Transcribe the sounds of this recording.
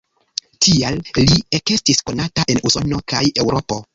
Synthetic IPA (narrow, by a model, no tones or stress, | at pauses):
tʰiallieke̞stisko̞nataʔe̞nuso̞no̞kaje̞wɾʔo̞po̞